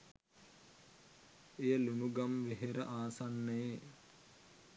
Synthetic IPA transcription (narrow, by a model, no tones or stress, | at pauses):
eːɐlunuɡɐmʋeɦeɾɐʔaːsɐnːeː